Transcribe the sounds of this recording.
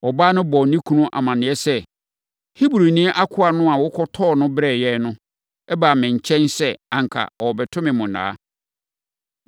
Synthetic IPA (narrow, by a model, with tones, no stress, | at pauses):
ɔ˨baː˦nʊ̃˦bɔ˨nĩ˦kʰu˦nʊ̃˦ʔa̰˨mã˨nɪ̃˨ɛ˦sɛ˦ | hi˦bɾu˨nĩ˦ʔa˦kʰʊ˦a˨nʊ̃˦a˨wʊ˦kʰɔ˦tʰɔː˦˨nʊ̃˦bɾɛ˦˨jɛ˦nʊ̃˦ | ɛ˦baː˨mɪ̃˨ɲ˨t͡ɕʰɛ̃˦nsɛ˦ã˨ŋ˨kʰa̰˨ɔ˨wɔ˨bɛ˨tʰʊ̃˦mɪ̃˨mʊ̃˨nã̰ː˦